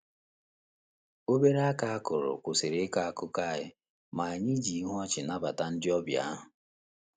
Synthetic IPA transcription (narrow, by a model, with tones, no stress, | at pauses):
o˦be˦ɾa˦ka˨a˦kʊ˨ɾʊ̰˨kʷʊ˨sɪ˨ɾe˦ka˦a˦kʊ˦ka˦˨ɦɪ˦ | ma˨a˨ɲɪ˦d͡ʒi˨˦ɦɔ˦t͡ʃɪ˨na˦ba˨ta˦n̩˦dɪ˦ɔ˦bja̰˦ɦʊ˨